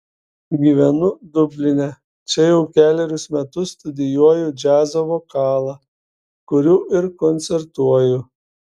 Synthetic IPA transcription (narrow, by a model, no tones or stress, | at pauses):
ɡʲiʋʲɛnʊd̪ʊbʲlʲɪnʲɛ | t͡ʃʲɛjɛʊkʲæːlʲɛɾʲʊsmʲɛt̪ʊst̪ʊd̪ʲɪjuɔjʊd͡ʒʲæːzɐʋoːkɑːlˠɑ | kʊɾʲuːʔɪɾkɔnʲt̪sʲɛɾt̪uɔjʊ